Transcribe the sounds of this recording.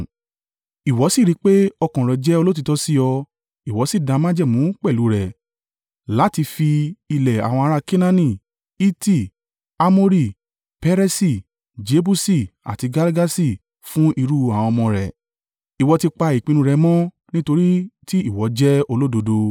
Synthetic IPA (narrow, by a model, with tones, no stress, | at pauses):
i˨wɔ˨˦si˦˨ɾi˨˦k͡pe˦ɔ˧kɔ̃˨ɾɛ˨d͡ʒɛ˦o˧lo˦t̬i˨˧tɔ˦si˦ɔ˧ | i˨wɔ˨˦si˦˨dã˨˧mã˦d͡ʒɛ˦˨mũ˨˦k͡pɛ˦˨lu˨˦ɾɛ˨ | la˨˦ti˧fi˧i˧lɛ˨a̰˨w̃ɔ̃˧a˧ɾa˦˧ki˦nã˦nĩ˦˨ | i˦ti˦˨ | a˦mo˦ɾi˦˨ | pɛ˦ɾɛ˦si˦˨ | d͡ʒe˧˦bu˦si˦˨a̰˨ti˧ɡa˧lɡa˦si˦˨ | fũ˦i˧ɾu˦˧a˨w̃ɔ̃˧mɔ̃˧ɾɛ̰˨ | i˨wɔ˨˧ti˧k͡pa˧i˨k͡pĩ˨˧nũ˧ɾɛ˧mɔ̃˦ | nĩ˦to˧ɾi˦ti˦i˦˨wɔ˨˦d͡ʒɛ˦o˧lo˦do˧do˧